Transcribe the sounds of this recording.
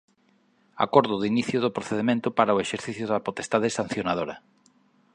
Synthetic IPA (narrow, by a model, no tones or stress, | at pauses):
a̰koɾðʊðiniθjʊðʊpɾoθeðemẽnt̪ʊpaɾaoeʃeɾθiθjʊðɐpot̪est̪aðesan̟θjonað̞oɾa